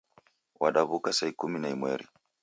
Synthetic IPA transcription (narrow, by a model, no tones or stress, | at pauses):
waɗaβukasaikuminaimwɛɾḭ